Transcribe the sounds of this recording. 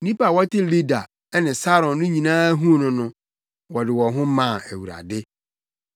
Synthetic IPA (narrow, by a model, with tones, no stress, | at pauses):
nĩ˦pa˨wɔ˦tʰɪ˦li˦da˨ | ɛ˦nɪ̃˨sa˦ɾɔ̃˨nːʊ̃˦ɲĩ˨nãː˦ɦũ˦nʊ̃˦nʊ̃˦ | wɔ˨dɪ˨wɔ˨ɦʊ̃˦mã˦˨æ˨wu˨ɾa̰˨dɪ˦